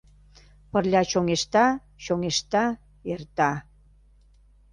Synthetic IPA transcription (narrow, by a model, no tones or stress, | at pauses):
pərlʲɑɕoŋeʃt̪ɑ | ɕoŋeʃt̪ɑ | ert̪ɑ